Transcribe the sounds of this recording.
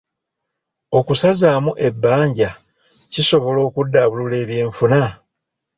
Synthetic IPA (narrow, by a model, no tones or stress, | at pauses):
o̞kusazaːmuʔe̞bːaːɲɟa | ciso̞βo̞lo̞ːkudːaːβulule̞ːβje̞ːɱfuna